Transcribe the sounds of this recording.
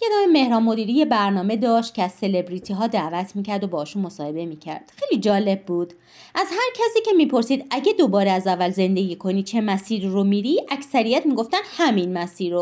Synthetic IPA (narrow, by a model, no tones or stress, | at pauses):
jed̪ɒːmeme̞hɾɒːmːo̞d̪iːɾije̞bæɾnɒːme̞d̪ɒːʃt̪̚cʰʲeæz̥se̞le̞bɾiːt̪ʰiɦɒːd̪æːvæt̪ʰmiːcʰæɾd̪o̞bɒːɒʃunmo̞sɒːhe̞be̞miːcʰæ̰ɾd̪̥xe̞jlid͡ʒɒːle̞bːuːd̪̥ | ʔæzhæɾcʰæsiːcʰe̞miːpʰo̞ɾsiːd̪æɟed̪o̞bɒːɾeæzævːælze̞nd̪e̞ɡiːkʰo̞nit͡ʃʰe̞mæsiːɾiromiːɾiʔæcsæɾijæt̪miːɡo̞ft̪ænd̪̥hæminmæsiːɾo